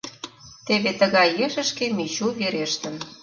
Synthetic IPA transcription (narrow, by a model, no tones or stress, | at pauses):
t̪eβet̪əɣɑjeʒə̆ʃkemit͡ɕuβeɾeʃt̪ə̆n